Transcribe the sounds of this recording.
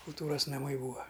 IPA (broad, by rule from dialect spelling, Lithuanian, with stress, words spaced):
kʊlˠˈtuːrɐs nɐˈmɐɪ ˈbuːɐ